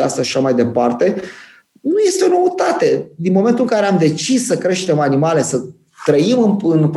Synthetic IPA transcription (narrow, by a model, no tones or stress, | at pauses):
ast̪aʃʃi̥ʃamajd̪e̞part̪e̞ | nuje̞st̪eo̞no̞ət̪at̪e̞d̪inmo̞me̞nt̪uɨŋkaɾe̞amd̪e̞t͡ʃisːəkɾe̞ʃt̪e̞manimale̞sə | t̪ɾəimɨnɨnp